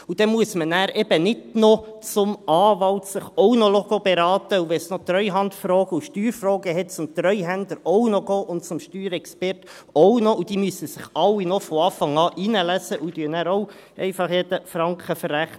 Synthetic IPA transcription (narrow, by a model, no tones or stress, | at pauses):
ud̥ɛmuəsmənæːɾʔɛb̥ənɪdnɔt͡sʊmɑːʋɑltsɪχɔʊnɔloɡ̥obɛɾɑːt̪əuʋɛsnot̪ɾœʏɦɑntfɾoːɡ̥əuʃtyːɾfrɔːɡəɦɛt̚t͡sʊmt̪ɾœʏɦændəɾɔwnɔɡ̥ɔːʔʊnt̚t͡sʊmʃtyːɾɛkspɛrt | ɔwnɔud̥iːmysəsɪχɑlːinɔfɔɑːfɑŋɑːʔinəlæsəʔud̥yənæːɾɔʊ | ʔɛ̰ɪfɑχjed̥əfɾɑŋkχəfəræχnə